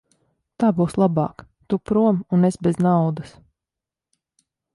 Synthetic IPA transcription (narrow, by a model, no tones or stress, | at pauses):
t̪aːbuːslˠabɑ̰ːk | t̪upɾuɔmunesbʲeznawd̪ɐs